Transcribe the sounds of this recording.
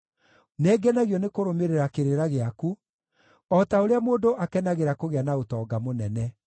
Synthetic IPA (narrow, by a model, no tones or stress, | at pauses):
neːɡɛnaɣjɔnekoɾomeɾeɾakeɾeɾaɣeaku | ɔtaoɾeamoːndoʔakɛnaɣeɾakoɣeanaotɔːɡamonɛnɛ